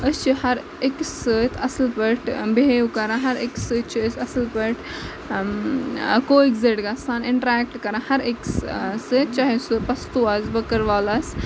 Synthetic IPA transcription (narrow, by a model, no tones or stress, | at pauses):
əst͡ʃʰihɐɾ | eksɨt̪ʰɐslpɐʈʰbeeukɐɾãɦɐɾeksɨt͡ʃʰiəsɐslpɐʈʰ | koːikzeʈɡɐsaːnɪɳʈɾɛːk̚ʈkɐɾãhɐɾekssɨt͡ʃaɦisɨpɐst̪uɐsbɐkəɾʋaːlas